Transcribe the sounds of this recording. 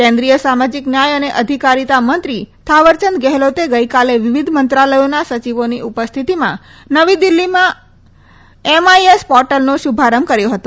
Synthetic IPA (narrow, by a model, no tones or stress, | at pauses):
kɛ̃nd̪ɾijəsamad͡ʒiknjajəneʔəd̪ʱikaɾit̪amənt̪ɾit̪ʰaʋəɾt͡ʃənd̪̚ɡɛɦlot̪eɡəjkaleʋɪʋid̪ʱmənt̪ɾaləjonasət͡ʃiʋoniʔupəst̪ʰit̪imã | nəʋid̪ilːimã | emaiespɔɾʈəlnoʃubʱaɾəmkəɾjoɦət̪o